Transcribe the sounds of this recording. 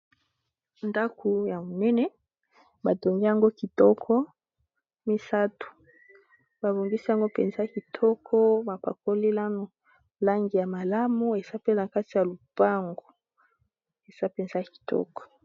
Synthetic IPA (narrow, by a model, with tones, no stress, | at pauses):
nda˦kʰu˨ja˨mo˨nɛ˦nɛ˨˦ | ba˨to˨ŋɡi˦ja˨ŋɡo˦ki˨tɔ˦kʰɔ˦ | mi˦sa˦tu̥˨ | ba˨bo˨ŋɡi˦si˦ja˨ŋɡo˦pɛ̰˨nza˦˨ki˨tʰɔ˦kʰɔ˦ma˨pa̰˨ko˦li˦la˦no˨ | la˦ŋɡi˨ja˨ma˨la˦mu˦e˨za˦pe˦na˨ka˦ti˨ja˨lu˨b̥a˦ŋɡo˨ | e˨z̥a˦pɛ˨nza˦a˨ki̥˨tɔ̰˦kɔ̥˨